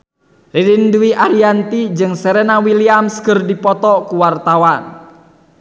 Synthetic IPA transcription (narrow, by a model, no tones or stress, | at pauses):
riɾinduiʔaɾiant̪id͡ʒɨŋsɛɾɛnawiliamskərdipɔt̪ɔkuwart̪awan